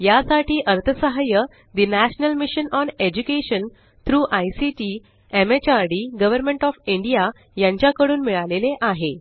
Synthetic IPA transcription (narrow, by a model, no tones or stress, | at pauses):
jasaʈʰiːʔəɾt̪ʰəsəɦajə | d̪inæɕnəlmiɕənɔned͡ʑukeɕən | t̪ʰɾuːʔajsiʈiː | emet͡ɕaɾɖiːɡəʋəɾmẽɳʈɔfiɳɖija | jãɲt͡ɕjakəɽuːnmiɭaleleʔaɦe